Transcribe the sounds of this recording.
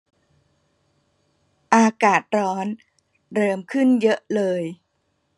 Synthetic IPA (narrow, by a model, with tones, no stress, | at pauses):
ʔaː˧kaː˨˩t̪̚ɾɔː˦˥n | ɾɤː˧mkʰɯ˥˩njɤ˦˥ʔlɤː˧j